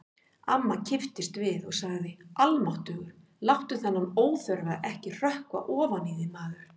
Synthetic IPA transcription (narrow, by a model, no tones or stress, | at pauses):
amːacʰɪft̪ɪst̪vɪðɔɣsaɣðɪðɪalmawht̪ʏːɣʏɾ̥ | lawht̪ʏθanːamoːwθœɾðaʔɛhcɪr̥œhkva̰ʔɔːvaniːðɪmaːðʏɾ̥